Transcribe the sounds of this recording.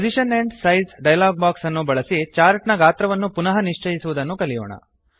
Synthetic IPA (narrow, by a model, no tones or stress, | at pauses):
pod͡ʒiʃɐneɳɖsɐjzɖɐjlaːɡ̚baːksɐnːubɐɭɐsit͡ʃaːɾʈnɐɡaːt̪ɾɐʋɐnːupunɐɦɐniʂt͡ʃɐjisuʋud̪ɐnːukɐlijɔ̰ːɳɐ̰